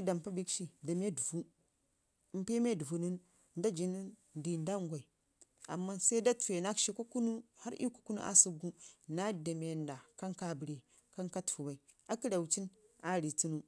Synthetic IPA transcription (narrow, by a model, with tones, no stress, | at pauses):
i˦da˨m˨pa˦bi˦kʃi˦da˨me˦du˨vu˦ | m̩˦pe˦me˦du˨vu˨nu˦n | nda˦d͡ʒi˨ni˦n | di˨nda˦ŋɡʷa˨i˨ | a̰˨mːa˦sa˦da˦tfe˨na˦kʃi˦ko˦ku˦nu˦ha˦ɾḭ˦ku̥˨ku˦nṵ˦ʔa̰˦su˦ɡu˦na˦da˨me˨nda˨ka˦ŋka˨bɾe˨ | ka˦ŋka˦tfu˨ba˨i˨ | a˦ki˦da˨wt͡ʃi˦n | a˦ɾi˨t͡su˦nu˦